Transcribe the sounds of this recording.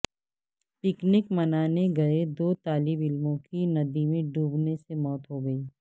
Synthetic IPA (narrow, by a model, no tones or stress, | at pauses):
pɪknɪkmɐnaːneɡɐed̪oːt̪aːlɪbɪlmõkinɐd̪imẽɖʱuːbnesemɔːt̪ɦoɡɐiː